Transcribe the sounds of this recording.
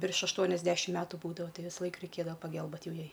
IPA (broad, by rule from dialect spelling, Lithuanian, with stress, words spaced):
ʋʲɪrʃ ɐʃˈtuɔnʲɛzʲdʲɛʃʲɪm ˈmʲæːtʊ ˈbuːdɐʋoː ˈtɐɪ ʋʲɪsˈlˠɐɪk rʲɛɪˈkʲeːdɐʋɐ pɐˈɡɘlʲbʲeːt ˈjɛʊ ˈjɛɪ